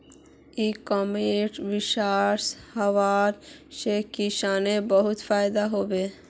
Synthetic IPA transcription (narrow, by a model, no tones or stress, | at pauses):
ikɔmeʈʋɪʃaːɾshəʋaɾʃekiʃaːnebəɦʊt̪fʰaːjd̪aɦobe